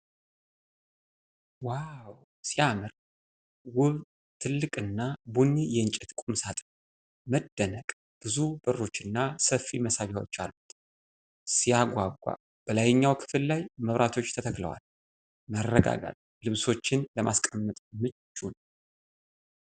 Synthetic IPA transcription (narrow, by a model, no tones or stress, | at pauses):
waw | sijamɨɾ | wʊβ | t̪ʰɨlːɨkʼɨnːabunːijɛɨnt͡ʃʼɛt̪kʷʼumsat̪ʼ | məd̪ːənəkʼ | b̥ɨzubɨrːo̞t͡ʃːɨnːasəfːiməsaβawo̰t͡ʃːa̰lːut̪ | sijaɡʷaɡʷa̰ | b̥əlajɪɲːawkʰɨ̥fɨllajməβɾʔat̪ʰo̞t͡ʃːt̪ʰət̪ʰəklə̰wa̰l | mərːəɡa̰ɡa̰t̪ | lɨβso̞t͡ʃːɪnləmʔaskʼəmːət̪ʼmɨt͡ʃːun